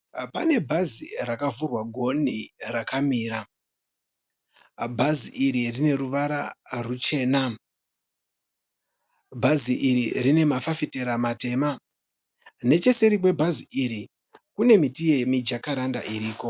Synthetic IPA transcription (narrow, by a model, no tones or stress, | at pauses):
pa̰ne̞bʱazirakavurwaɡʱo̞nirakamiːɾa | bʱaziʔiɾirine̞ɾuʋaɾa̰rut͡ʃe̞ːna | bʱaziʔiɾirine̞mafafite̞ɾamate̞ːma | ne̞t͡ʃe̞se̞ɾikwe̞bʱaziʔiɾi | kune̞mitije̞mid͡ʒakaɾanda̰ʔiɾiːko̞